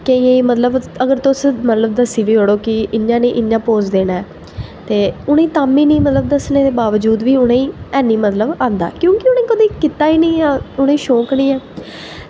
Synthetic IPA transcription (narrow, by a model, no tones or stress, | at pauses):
keĩːẽːiːmət̪ləbəɡəɾt̪ʊsmət̪ləbd̪əsiːʋiːɦoːɽoːkɪɪnjãːnĩːʔɪnjãːpoːd͡ʒd̪eːnaːɛː | t̪eːʊɽ̃ẽiːt̪aːmiːnĩːmət̪ləb̚d̪əsneːd̪eːbaːʋəd͡ʒuːd̪ʋiːʊɽẽːĩːɛːnːiːmət̪ləbãːnd̪a̰ːkjõːkɪʊñẽːkəd̪iːkɪt̪aːiːnĩːãːʊɽ̃ẽiːʃoːknĩːɛː